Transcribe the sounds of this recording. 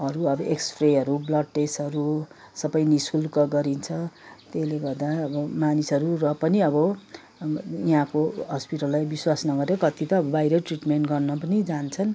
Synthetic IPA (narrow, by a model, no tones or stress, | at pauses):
ʌɾuʌbʌʔekspreɦʌɾublʌd̚ʈesʌɾu | sʌbʌjnisulkʌɡʌɾint͡sʰʌt̪eleɡʌrd̪aʌbʌmanisʌɾurʌpʌniʌbʌ | iɦãkoɦʌspiʈʌlːajbiswasnʌɡʌɾeʌkʌt̪it̪ʌːbʌbajɾʌʈriʈmeɳʈɡʌrnʌpʌnid͡zant͡sʰʌn